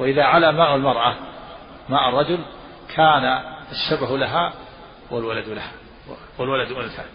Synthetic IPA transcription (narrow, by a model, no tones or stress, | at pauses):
waʔɪðaʕalaːmaːʔalmɑɾˤʔa | maːʔɑrˤːɑd͡ʒʊl | kʰaːnaaʃːabaɦlaɦa | walwalad̪laha | walwalad̪ʔɪnθa̰ːn